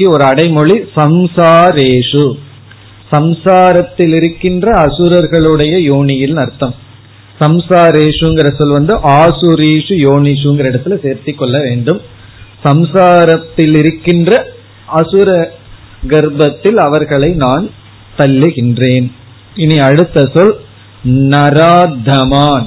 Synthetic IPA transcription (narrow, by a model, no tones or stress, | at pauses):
kːiɔɾɯɐɽɐɪmɔɭisɐmsaːɾeːʂɯ | sɐmsaːɾɐt̪ːɪlɪɾɯkːɪndrɐːsɯɾɐɾɣɐɭɯɽɐjɐjoːɳɪjɪlnɐɾt̪ːɐm | sɐmsaːɾeːʂɯɛnŋɡɪɾɐsɔlʋɐnd̪ɯʔaːsɯɾeːʂɯjoːɳɪʂɯɛŋɡɪɾɐɪɽɐt̪ːɪlɐseːɾt̪ɯkːɔɭːɐʋeːɳɖɯm | sɐmsaːɾɐt̪ːɪlɪɾɯkːɪndrɐ | ɐsɯɾɐ | ɡɐɾbɐt̪ːɪlɐʋɐɾɣɐɭɐɪnaːn | t̪ɐlːɯɣɪndreːn | ɪniɐɽɯt̪ːɐsɔl | nɐɾaːd̪ʱɐmaːn